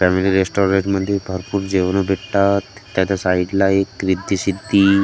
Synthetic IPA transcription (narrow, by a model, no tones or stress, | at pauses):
fɛmiliɾesʈɔɾeʈməd̪ʱːjebʱəɾpuːɾd͡ʑeʋnobʱeʈt̪at̪t̪ːjatasaiɖlaekɾid̪ʱːisid̪ʱːi